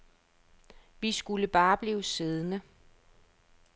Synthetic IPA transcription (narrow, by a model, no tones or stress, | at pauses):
ʋisɡ̥uləb̥ɑ̈ːb̥liːʊseð̞ˠənə